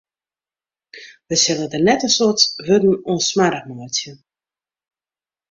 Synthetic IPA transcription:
ʋəsɪlədərnɛtəsotʋødn̩onsmaɾəxnoətjə

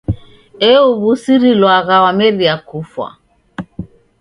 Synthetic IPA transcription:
ɛuβusiɾilwaɣawamɛɾiakufwa̰

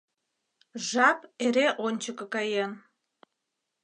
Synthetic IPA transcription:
ʒɑpeɾeʔonʲt͡ɕəkɤ̆kɑjen

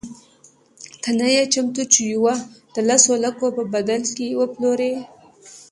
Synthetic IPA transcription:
t̪anajat͡ʃamt̪ut͡ʃijuwad̪̥əlasolakopəbad̪alkewəploɾe

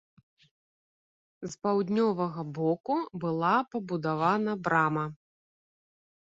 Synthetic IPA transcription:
zpawd̪ʲnʲɔvɐɣɐbɔkubɨlˠapɐbud̪avanɐbɾamɐ

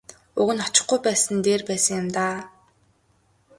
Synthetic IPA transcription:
ʊɣɘ̆nχɔt͡ɕɪ̆χɡujpæːsə̆nt̪eːrpæːsə̆ŋjʊ̆mt̪aː

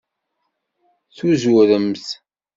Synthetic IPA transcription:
θuzuɾəmθ

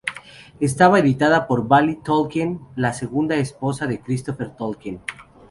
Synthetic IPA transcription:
est̪aβaeðit̪aðapo̞ɾbalit̪olkenlase̞ɣund̪aespo̞saðe̞kɾist̪ofeɾt̪olken

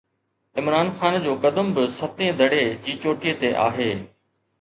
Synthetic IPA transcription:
ɪmɾaːnxaːnd͡ʑoːkɐd̪əmbɪsɐt̪ẽd̪ʱɐɽed͡ʑiːt͡ɕoːʈijet̪eʔa̰ːɦeː

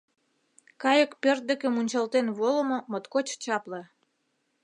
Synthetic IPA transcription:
kɑjə̆kpørt̪̚d̪ə̆kə̆munʲt͡ɕɑlt̪enβolə̆mŏmot̪kot͡ɕt͡ɕɑplɤ̆

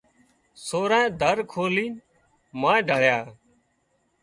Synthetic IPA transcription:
soːɾãːd̪ʱəɾkʰoːliːn | mãːɖʱəɭjaː

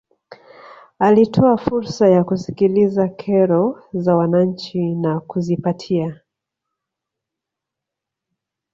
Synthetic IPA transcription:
alitʰɔafuɾsajakusi̥kilizakʰɛɾɔzawanaɲ̩t͡ʃinakuzipatʰia

